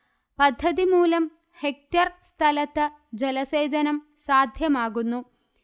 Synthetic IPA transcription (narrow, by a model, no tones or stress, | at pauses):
pɐd̪ʱːɐðimuːlɐm | hek̚tɐrst̪ʰɐlɐt̪ːɨ | d͡ʑelɐse̞ːd͡ʑɐnɐm | saːd̪ʱjɐmaːɣunːu